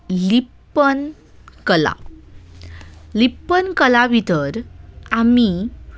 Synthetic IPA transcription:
lipː | ən | kəla̰ | lipːənkəlaʋʱit̪əɾami

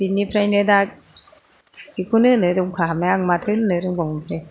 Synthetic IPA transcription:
binːipʰɾajnɯdak̚ | ikʰunɯnɯduŋkʰaɦamaaŋmatʰɯnɯnɯduŋbɔŋpʰɾaj

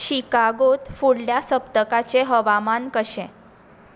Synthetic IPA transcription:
ɕikaɡot̪fuɽljasəpt̪əkat͡seɦəʋamankəɕɛ̃

